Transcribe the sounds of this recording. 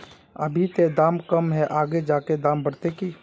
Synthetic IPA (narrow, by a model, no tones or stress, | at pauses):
ə̰bʱit̪ed̪ãːmkəmɦɛʔaːɡed͡ʒaːked̪ãːmbəɽt̪ekiː